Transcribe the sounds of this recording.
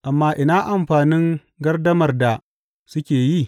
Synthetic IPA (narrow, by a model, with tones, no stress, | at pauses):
ʔa˨mːaː˦ʔɪ˦naː˦ʔa˨mɸaː˨nɪ˦ŋ | ɡɐ˦rdɐ˦mɐ˨rda˨ | sʊ˦kʲeː˨ji˦˨